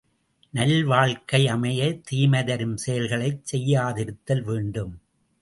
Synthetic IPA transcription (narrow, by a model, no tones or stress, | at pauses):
nɐlʋaːɭkɐɪɐmɐjɐt̪iːmɐðɐɾɯmsɛjɐlɣɐɭɐɪt͡ʃsɛjːaːðɪɾɯt̪ːɐlʋeːɳɖɯm